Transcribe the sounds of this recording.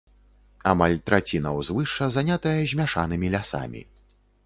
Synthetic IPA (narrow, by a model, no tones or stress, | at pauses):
amalʲt̪ɾat͡sʲinɐwzvɨʂɐzanʲat̪ɐjɐʑʲmʲaʂanɨmʲilʲasa̰mʲḭ